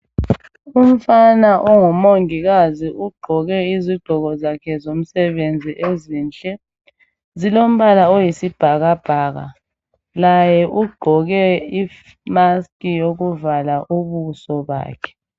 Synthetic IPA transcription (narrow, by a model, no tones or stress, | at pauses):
um̩fanaʔɔŋɔmoŋiɣaziʔuɡ͡ǃʱɔɣɛiziɡ͡ǃʱɔɣɔzakʰɛzom̩sɛβend͡zʱiʔeziːnt͡ɬʼɛ | zilom̩βalaojisib̥ʱaɣab̥ʱaːɣa̰ | lajɛʔuɡ͡ǃʱɔɣɛi | maskijoɣuvalaʔuβusɔβa̰ːkʰɛ̥